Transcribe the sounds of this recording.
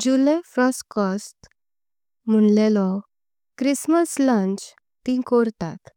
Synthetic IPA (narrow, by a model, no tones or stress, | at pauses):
d͡ʑulefɾɔskɔst | m̤əɳlelɔ | kɾisməslãnt͡ɕ | t̪ĩkoɾt̪at̪